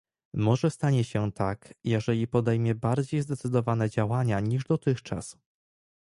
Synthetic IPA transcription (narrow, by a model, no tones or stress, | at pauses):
mɔʐɛst̪aɲɛɕɛt̪akjɛʐɛlʲipɔd̪ɛjmʲjɛbaɾd͡ʑejzd̪ɛt̪sɘd̪ɔvanɛd͡ʑawaɲaɲiʐd̪ɔt̪ɘxt͡ʂa̰s